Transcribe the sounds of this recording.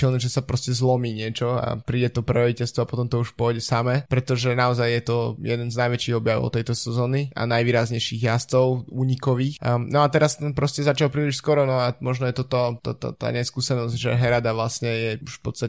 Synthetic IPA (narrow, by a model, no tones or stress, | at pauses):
ilnɛʒɛsapɾɔscɛzlɔmiːɲɪɛt͡ʃɔa̰pɾiːɟɛt̪ɔprɾɛɔʋicɛlst̪ʋɔapɔt̪ɔmt̪ɔuʃpʊɔjɟɛsamɛpɾɛt̪ɔʒɛnaɔzajːɛt̪ɔjɛd̪ɛnznajʋɛt͡ʃiːɣɔbjaʋɔɔ̰ɔ̰t̪ɛjt̪ɔsɛzɔːnia̰najʋiːɾazɲɛjʃiːɣjast̪ɔʊuːɲikɔʋiːxnɔat̪ɛɾast̪ɛnpɾɔscɛzat͡ʃalpɾiːliʃskɔɾɔnɔamɔʒnɔjɛt̪ɔt̪ɔt̪ɔ̰t̪ɔ̰t̪a̰ːɲɛskuːsɛnɔzɟʒɛɦɛɾad̪aʋlasɲɛjɛuʃfpɔt̪st̪a